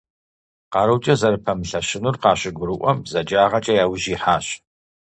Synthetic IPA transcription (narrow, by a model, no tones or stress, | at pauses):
qɑːɾɐwt͡ʃʼɐzɐɾɨpʰɐmɨɬɐɕɪnurqɑːɕɪɡʷʊɾɨʔʷɔmzɐd͡ʒaːʁɐt͡ʃʼɐjaːwʒiːħaːɕ